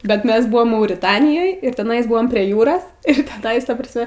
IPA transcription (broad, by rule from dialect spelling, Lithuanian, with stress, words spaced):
bʲɛt ˈmʲɛs ˈbʊʋoːm mɐʊrʲɪˈtɑːnʲɪjoːj ɪr tʲɛˈnɐɪzˈbʊʋoːm pʲrʲiɛ ˈjuːroːs ɪr tʲɛˈnɐɪs ˈtɐ prɐsʲˈmʲɛ